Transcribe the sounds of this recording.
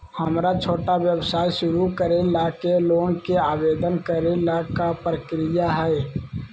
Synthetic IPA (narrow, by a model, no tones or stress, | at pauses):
həmɾat͡ʃʰoːʈaʋjəwsaːiʃʊɾukəɾelakeloːnkeaːbeːd̪ənkəɾelakapɾəkɾɪjaɦɛ